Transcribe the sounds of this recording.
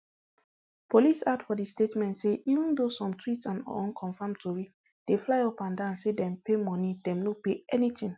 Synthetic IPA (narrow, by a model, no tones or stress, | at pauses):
pʰolisadfɔdistetmɛ̃ntseʔivə̃ndosɔ̃mtʰwitsãnɔ̰ɔ̃nkʰɔ̃nfãmtuɹi | d̥eflaɪɔpãndãnsedɛ̃mpemɔnidɛ̃mnopeɛnitĩŋ